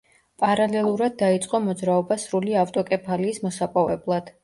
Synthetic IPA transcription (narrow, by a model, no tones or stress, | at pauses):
pʼaɾalɛlˠuɾad̪̚ːait̪sʼqʼɔmɔd̪zɾaɔbasɾuliaft̪ʼɔkʼɛpʰaliːsmɔsapʼɔvɛblˠad̪̥